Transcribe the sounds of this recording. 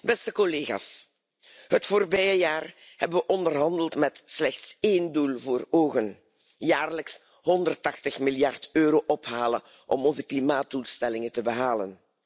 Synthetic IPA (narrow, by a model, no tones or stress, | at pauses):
bɛstəkɔleːɣa̰ːs | ɦətfoːrbɛjəjaːr | hɛbənʋəʔɔndərɦɑndəlˠtmɛtslɛxtseːndulˠvoːroːɣən | jaːrləks | ɦɔndərtɑxtəxmɪljɑrtøːɾoːʔɔpɦaːlə̰ | ʔɔ̰mɔnzəklimaːt̚d̥ulˠstɛlɪŋəntəbəɦaːlə̰n